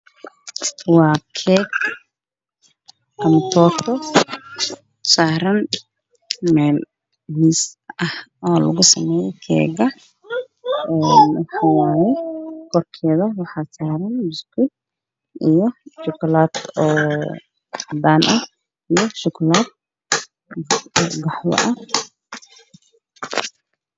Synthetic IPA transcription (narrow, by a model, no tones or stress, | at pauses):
st̪ʰwaːkʰɛːɡ | ʔɐmt̪ʰɔːt̪ʰɔ | saːɾɐn | mɛːl | miːsɐhɔːlɐ̰ɣʊsɐmɛːjɛjkʰɛ̰ːɡɐ | ɛːnwɑħɑːwaːjɛkʰɔrkʰɛːðɐwɑħɑːsaːɾɐnbʊskʰɪ | ʔijɔʃʊkʰʊlaːd̪̥ɔː | d̪aːnʔɐ | ijɔʃʊkʰʊlaːd̪̚ | ɡɑħwɔ̰ʔɐ